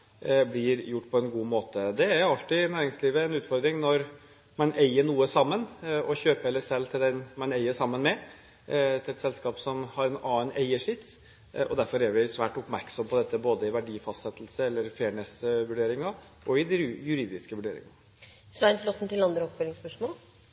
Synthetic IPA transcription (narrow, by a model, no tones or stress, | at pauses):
blɪɾjʊʈːpʰɔɛnɡuːmoːt̪əd̪ɛæɾjʊɑlt̪ɪnæːɾɪŋsliːʋəɛnʉːt̪fɔɾd̪ɾɪŋnɔɾ | mɑnʔeɪəɳuːəsɑmːənɔçøːpəɛlːəʂɛlːt̪ʰɪld̪ɛnmɑnæɪəʂɑmːənmɛ | t̪ʰɪlɛt̪sɛlskɑːpsɔmhɑɾɛnɑːənæɪəʂɪt̪ː | ɔ̰d̪æɾfɔɾæɾʋɪsʋæːʈʊpmæɾksɔmpʰɔd̪ɛt̪ːəboːd̪əɪʋæɖiːfɑst̪sɛt̪ʰːlsəɛlːəɾfeːɳɛsʋʉɖeːɾɪŋɑ | ʔɔɪd̪ɪjʉɾiːd̪ɪskəʋʉɖḛːɾɪ̰ŋɑ | sʋæɪnt̪flɔt̪n̩t̪ɪlɑnd̪ɾəɔpfœɾɪŋspœʂmoːl